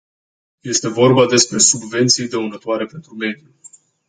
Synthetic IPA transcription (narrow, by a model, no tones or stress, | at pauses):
je̞st̪e̞vo̞rbad̪e̞spɾe̞subve̞nt̪sijd̪eunət̪oaɾe̞pent̪ɾume̞d̪ju